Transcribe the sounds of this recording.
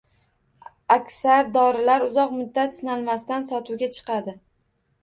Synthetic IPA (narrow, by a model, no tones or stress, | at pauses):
akʲsaɾd̪ɒɾɪlaɾʊzɒqmʊd̪ːat̪sɪnalmast̪ansɒt̪ʰuwɡʲat͡ʃʰɨ̥qɑd̪ɪ